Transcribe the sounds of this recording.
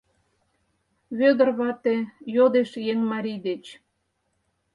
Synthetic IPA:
βød̪ə̆rβɑt̪ejod̪eʃjeŋmɑɾʲid̪et͡ɕ

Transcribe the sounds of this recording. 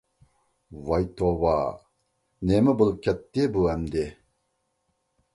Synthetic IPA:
wɐjt̪owaː | neməbulkɐt̪ːebuɐmd̪e

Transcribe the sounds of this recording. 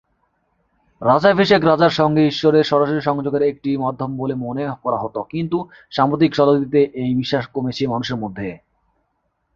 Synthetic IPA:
ɾad͡ʑabʱiʃekɾad͡ʑaɾʃɔŋɡeiʃːoɾeɾʃɔɾaʃoɾiʃɔŋd͡ʑoɡeɾek̚ʈimad̪ʱːombolemonekɔɾaɦot̪okint̪u | ʃamɾot̪̬ikʃɔlod̪it̪eʔejbiʃːaʃkomet͡ɕʰemanuʃeɾmod̪ʱːe

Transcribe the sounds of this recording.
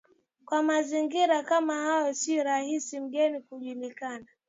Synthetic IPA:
kwamaziŋɡiɾakamahajɔsiɔɾahisim̩ɠɛnikuʄulikana

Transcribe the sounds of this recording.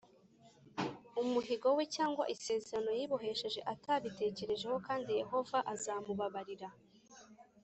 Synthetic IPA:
umuɦiɡo̞wecaːŋɡwa̰ʔise̞ːzeɾano̞jiːβoɦe̞ʃe̞ʒe̞ʔataβite̞ːce̞ɾe̞ʒe̞ho̞kaːndije̞ɦo̞vaʔazamuβaβaɾiɾa

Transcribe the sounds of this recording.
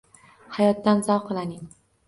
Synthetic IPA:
hajɒt̪ːanzɒwqʰɨlˠanɪŋ

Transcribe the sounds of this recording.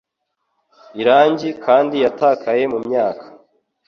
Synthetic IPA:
iɾaːɲɟikʰaːndijatakʰaje̞mumɲaːkʰḁ

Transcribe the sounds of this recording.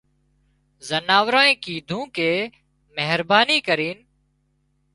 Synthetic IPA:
zənaːʋɾãːẽːkiːd̪ʱũːkeː | meɦɾbaːniːkəɾiːn

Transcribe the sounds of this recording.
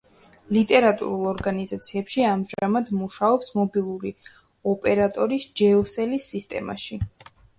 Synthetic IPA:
lit̪ʼɛɾat̪ʼṵɾulˠɔɾɡanizat̪sʰiɛpʃiamʒamad̪muʃaɔpsmɔbilˠuɾi | ɔpʼɛɾat̪ʼɔɾisd͡ʒɛɔsɛlisːist̪ʼɛ̰ma̰ʃi

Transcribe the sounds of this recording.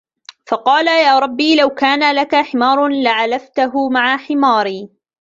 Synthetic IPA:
fɑqɑːlajaːɾˤɑbːiːlawkaːnalakaħɪmɑːɾˤlaʕalaft̪aɦʊmaʕaħɪmaːɾiː

